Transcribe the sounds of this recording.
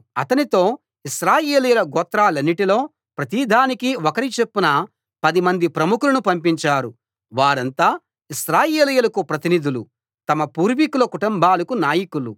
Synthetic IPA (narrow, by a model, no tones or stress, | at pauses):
ɐt̪ɐnit̪o̞ː | iʃɾaːjeːlɐjɐlɐɡɔːt̪ɾaːlɐnːiʈilo̞ː | pɾɐt̪iːd̪ʱaːnikiɔkɐɾit͡ʃe̞pːunɐ | pɐd̪imɐnd̪ipɾɐmukulɐnupɐmpiɲt͡ʃaːɾu | ʋaːɾɐnt̪aː | isɾaːjeːlɐjɐlɐkupɾɐt̪inid̪ulu | t̪ɐmɐpuːɾʋikulɐkuʈumbaːlɐkunaːjikulṵ